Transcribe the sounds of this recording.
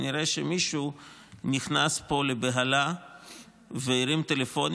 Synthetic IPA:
niɾeʃemiʃu | niχnaspo̞lebeɦala | veiɾimt̪e̞lefo̞n

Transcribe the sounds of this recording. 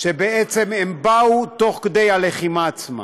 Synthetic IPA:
ʃebeet͡semembaut̪o̞χkd̪e̞jaleχimaːt͡sma̰

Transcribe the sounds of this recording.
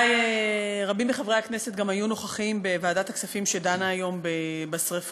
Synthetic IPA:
jeʁabimbeχavʁejakne̞se̞t̪ɡamajuno̞χaχimbevaːdat̪aksafimʃedanaːjo̞mbebasʁef

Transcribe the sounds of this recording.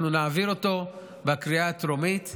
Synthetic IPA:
nunaːviʁo̞to̞ | bekʁiatɾomit

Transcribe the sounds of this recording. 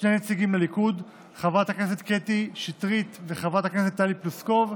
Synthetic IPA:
ʃnejnet͡siɡimlelikud | χavat̪akneset̪ket̪iʃit̪ʁit̪veχavat̪hakneset̪ːalipluskov

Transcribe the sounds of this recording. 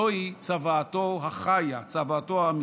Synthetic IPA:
oit͡savaːtoɦaχajat͡savaːtoami

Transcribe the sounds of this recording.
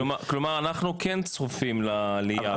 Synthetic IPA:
maklomaʁanaχnukent͡sχufimlaːlia

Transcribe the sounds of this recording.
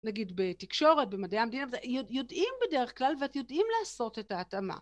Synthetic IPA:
naɡidbe̞tikʃo̞ʁet̚bemadejamedinavjojo̞dʔimbedeʁeχklalveatjo̞dʔimlaːso̞te̞taːtama̰

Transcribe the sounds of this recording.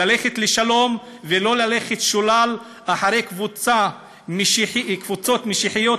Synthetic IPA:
aleχet̪leʃalo̞m | velo̞lale̞χet̪ʃulal | aħaʁe̞jkvut͡sa | mħkvut͡so̞t̪meʃiħijo̞

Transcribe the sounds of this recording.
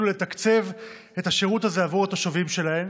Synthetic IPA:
ule̞t̪akt͡se̞v | etaʃeʁutazeavuʁet̪oʃavimʃe̞lahe̞m

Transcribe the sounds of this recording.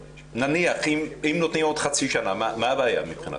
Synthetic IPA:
naniaχimimnot̪niot̪χat͡siʃanamamaβaja̰mipχina̰

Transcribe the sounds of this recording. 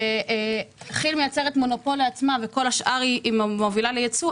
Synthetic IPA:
eʔχilmejat͡se̞ʁet̪mo̞no̞po̞liat͡smaveko̞laʃʔaʁiʔːmmovilalejet͡su

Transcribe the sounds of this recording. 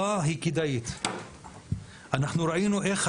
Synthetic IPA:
aɦikid̪ajit̪ | ʔanaχnuɾainuʔeχ

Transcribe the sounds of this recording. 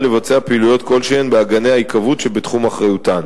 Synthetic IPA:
le̞vat͡seapeilujo̞t̪ko̞lʃeenbeaɡane̞jhaikavutʃebet̪χumaχʁajutan

